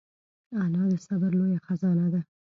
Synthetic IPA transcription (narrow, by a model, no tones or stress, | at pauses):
anɑd̪əsabəɾlojaxazɑnad̪a